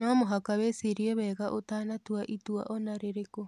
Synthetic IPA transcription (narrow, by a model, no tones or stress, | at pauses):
namoɦakaβesiɾiɔβɛːɣaʔotaːnatwaʔitwa̰ʔɔnaɾeɾeko